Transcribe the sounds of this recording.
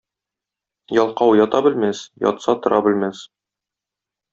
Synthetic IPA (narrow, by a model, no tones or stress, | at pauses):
jɒlˠqɑwjɒt̪ɑbɘ̆lmæsjɒ̰t̪sɑt̪ŏɾʔɑbɘ̆lmæs